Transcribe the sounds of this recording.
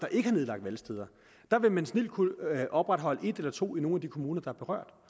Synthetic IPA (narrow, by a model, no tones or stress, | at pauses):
d̥ɑ̈ʔe̝ɡ̥əhɑ̈ne̝ð̞ˠɑ̈ɡ̥̚d̥ʋælsd̥eð̞ˠɐ | d̥ɑ̈ʋe̝mænsnel̰̥̚kʰuʔɒ̽b̥ʁɑd̥ɦɒ̽l̰əe̝d̥elɐt͡sʰo̝̰ːino̝ːnæd̥ikʰo̝muːnɐd̥ɑ̈æɐ̥eʁɶ̰ɐ̰d̥